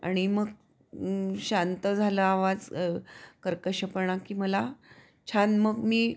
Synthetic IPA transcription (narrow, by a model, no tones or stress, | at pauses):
a̰ɽ̃iməɡ | ɕant̪əd͡zʱaləaʋad͡z | kəɾkəɕəpəɳakiːməla | t͡ɕʰanməɡmiː